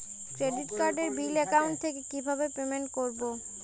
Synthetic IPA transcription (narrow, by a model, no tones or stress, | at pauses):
kɾeɖiʈkaɾɖeɾbilɛkauɳʈ̚t̪ʰekekibʱabepemeɳʈkoɾbo